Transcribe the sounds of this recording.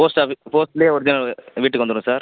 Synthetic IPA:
poːsʈaːpoːsʈleːɔɾɯd̪ɪnɐʋiːʈːɯkʋɐnd̪ɯɽũsaːɾ

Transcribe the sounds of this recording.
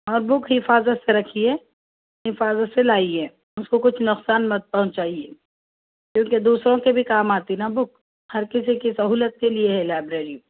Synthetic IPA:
ɔːɾbʊkʰɦɪfaːzət̪seɾɐkʰiɦɛ | ɦɪfaːzət̪selaːiɦɛː | ʊskokʊt͡ʃʰnʊqsaːnmɐd̪̚pɐɦʊ̃ɲt͡ʃaːieː | kjõːked̪uːsɾõkebʱikaːmaːt̪inabʊk̚ | hɐɾkɪsikisɐɦuːlət̪̚kelieɦɛlaːbɾeːɾĩ

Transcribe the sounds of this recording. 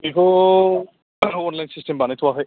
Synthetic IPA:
ikʰo | ɔnlajnsisʈembanet̪ʰuwaɦɔj

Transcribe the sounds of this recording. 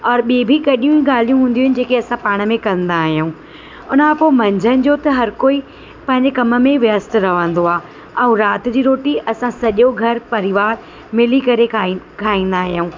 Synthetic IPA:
ɔːɾɓiebʱikɐɗijũiɠaːl̤ijũɦũːn̆d̪iuʊɦɪnɪ̆d͡ʑeːkeɐsãpaːɽ̃ə̆mẽkɐ̃nd̪aːɦijaũː | ʊnapomɐ̃ɲd͡ʑʱənɪ̆d͡ʑoːt̪ɐɦɐɾkoːi | pɐ̃ɦɪ̃ɲd͡ʑekɐmə̆mẽʋjəst̪̆ɾɐʋə̃nd̪oaː | ɛ̃ũɾaːt̪ɪd͡ʑiːɾoːʈiʔɐsãsɐʄoɡʱɐɾpɐɾɪʋaːɾ | mɪlikɐɾe | kʰaːĩːnd̪aːɦɪjaũː

